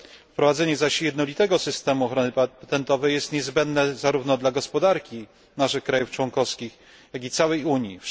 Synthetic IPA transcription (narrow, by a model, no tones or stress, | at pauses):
fpɾɔvad̪zɛɲɛzaɕjɛd̪nɔlʲit̪ɛɡɔsɘst̪ɛmuɔxɾɔnɘpat̪ɛnt̪ɔvɛjɛst̪ɲɛzbɛnd̪nɛzaɾuvnɔd̪laɡɔspɔd̪aɾkʲi | naʂɘxkɾajuft͡ʂwɔŋkɔfskʲix | jaɡit̪sawɛjuɲji